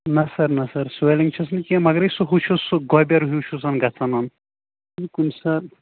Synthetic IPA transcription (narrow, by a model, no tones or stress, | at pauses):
nɐsɐɾnɐsɐɾsueliŋt͡ʃʰɐsnkiɐmɐɡɾɐsuɦut͡ʃʰusuɡɔbʲɐɾɦiwt͡ʃʰus̬ɐnɡɐt͡sʰɐnɐn | ikunsɐɾ